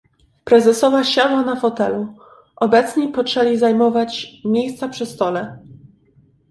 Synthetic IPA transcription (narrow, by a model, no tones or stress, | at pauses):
pɾɛzɛsɔvaɕad̪wanafɔt̪ɛlu | ʔɔbɛt̪sɲipɔt͡ʂt͡ʂɛlʲizajmɔvat͡ɕmʲjejst̪sapʂɛst̪ɔlɛ